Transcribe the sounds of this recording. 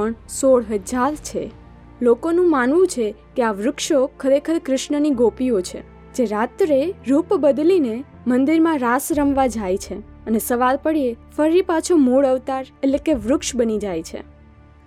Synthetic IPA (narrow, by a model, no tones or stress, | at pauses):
əɳsoɽɦəd͡ʒaɾt͡ʃʰḛ | lokonũmanʋũt͡ʃʰe | keaʋɾʊkʃokʰəɾekʰəɾkɾɪʃɳəniɡopiot͡ʃʰḛ | d͡ʒeɾat̪ɾeɾupbəd̪line | mənd̪iɾmãɾasɾəmʋad͡ʒajt͡ʃʰe | ənesəʋalpəɽiefəɾipat͡ʃʰomuɭəʋt̪aɾellekeʋɾʊkʃbənid͡ʒajt͡ʃʰḛ